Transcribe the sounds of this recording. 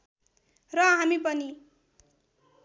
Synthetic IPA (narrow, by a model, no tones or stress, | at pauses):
rʌɦamipʌni